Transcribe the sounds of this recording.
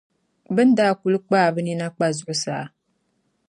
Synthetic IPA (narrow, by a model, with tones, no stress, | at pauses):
bɨ˦n˦daː˦ku˨lɨ˦k͡paː˦˨bɨ˦ni˦na˦k͡pa˦zʊ˦ʔʊ˦saː˨˦˨